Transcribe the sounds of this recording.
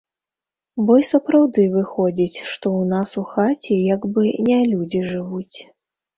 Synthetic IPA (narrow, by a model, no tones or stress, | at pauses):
bɔjsɐpɾawd̪ɨvɨxɔd͡zʲit͡sʲʂt̪ɔwnasuxat͡sʲijaɡbɨnʲɛlʲud͡zʲiʐɨvut͡sʲ